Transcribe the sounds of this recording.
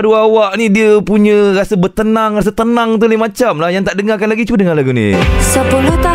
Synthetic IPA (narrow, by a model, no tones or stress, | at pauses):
duawaʔnidiəpuɲə̃rasəbərt̪ənaŋras̬ət̪ənãŋt̪̬ulimat͡ʃamlahjaŋt̪aʔdəŋakanlaɡit͡ʃudəŋalaɡunḭsəpulut̪a